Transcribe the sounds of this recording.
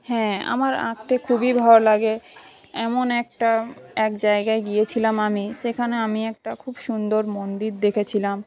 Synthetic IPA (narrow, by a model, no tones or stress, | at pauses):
hɛ̃a̰maɾa̰kt̪ekʰubibʱɔɾlaɡe | ɛmonɛk̚ʈaɛkd͡ʑaeɡaeɡijet͡ɕʰilamamiʃekʰaneamiɛk̚ʈakʰubʃund̪oɾmond̪iɾd̪ekʰet͡ɕʰilam